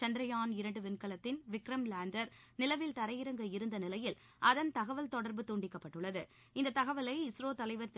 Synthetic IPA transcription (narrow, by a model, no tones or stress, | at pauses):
t͡ʃɐnd̪ɾɐjaːnɪɾɐɳɖɯʋɪnkɐlɐt̪ːɪnʋɪkɾɐmlaːɳɖɐɾ | nɪlɐʋɪlt̪ɐɾɐjɪɾɐŋɡɐɪɾɯnd̪ɐnɪlɐjɪl | ʔɐðɐnt̪ɐɣɐʋɐlt̪ɔɽɐɾbɯt̪uːɳɖɪkːɐpːɐʈːɯɭːɐðɯ | ɪnd̪ɐt̪ɐɣɐʋɐlɐɪɪsɾoːt̪ɐlɐɪʋɐɾt̪